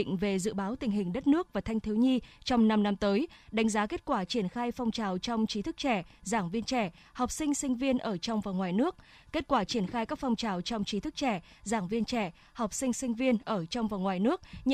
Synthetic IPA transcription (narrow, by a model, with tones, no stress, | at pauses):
ŋ̟ve˨˩zɨ̰˧˨ɓaː˨˦wt̪ï˨˩ŋ̟ɦï˨˩ŋ̟ɗə˦˥t̚nɨ˦˥ək̚vaː˨˩t̪ʰjŋ̟t̪ʰi˨˦wɲi˧t͡ɕɔ˧wŋ͡mna˧mna˧mt̪əː˨˦jɗa˨˦jŋ̟zaː˨˦ke˦˥t̚kwaː˧˩t͡ɕi˧˩ənxaː˧jfɔ˧wŋ͡mt͡ɕaː˨˩wt͡ɕɔ˧wŋ͡mt͡ɕi˨˦t̪ʰɨ˦˥k̚t͡ɕɛ˧˩zaː˧˩ŋvi˧ənt͡ɕɛ˧˩ | hɔ˨˩wk͡p̚sï˧ŋ̟sï˧ŋ̟vi˧ənʔəː˧˩t͡ɕɔ˧wŋ͡mvaː˨˩ŋwaː˨˩jnɨ˦˥ək̚ | ke˦˥t̚kwaː˧˩t͡ɕi˧˩ənxaː˧jkaː˦˥k̚fɔ˧wŋ͡mt͡ɕaː˨˩wt͡ɕɔ˧wŋ͡mt͡ɕi˨˦t̪ʰɨ˦˥k̚t͡ɕɛ˧˩zaː˧˩ŋvi˧ənt͡ɕɛ˧˩ | hɔ˨˩wk͡p̚sï˧ŋsï˧ŋ̟vi˧ənʔəː˧˩t͡ɕɔ˧wŋ͡mvaː˨˩ŋwaː˨˩jnɨ˦˥ək̚ɲ